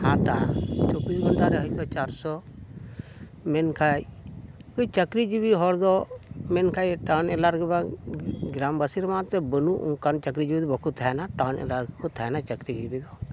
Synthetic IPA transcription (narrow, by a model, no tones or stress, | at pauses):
hãt̪at͡ʃɔbisɡʱɔɳʈaɾəɦɔt̪ɔt͡ʃaɾsɔ | mɛnkʰajkut͡ʃəkɾid͡ʒibiɦɔɾd̪ɔmɛnkʰajʈawnɛlaɾɡɛbaɡɾambəsiɾmãt̪ɛbənuʔṵ̃kant͡ʃəkɾid͡ʒibid̪ɔbɔkʰut̪̚ʰaɦnaʈawnɛ̰laɾɡkʰut̪t̪ʰːanat͡ʃəkɾid͡ʒibid̪ɔ